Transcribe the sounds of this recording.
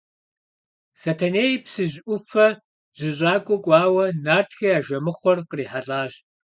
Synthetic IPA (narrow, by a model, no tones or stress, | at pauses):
sɐtʰɐneːjpsɨʑʔʷʊfɐ | ʑ̥ɪɕʼaːkʷʼɔkʷʼaːwɐnaːrtʰxɐjaːʒɐmɨχʷɔrqəriːħaɬʼaːʑ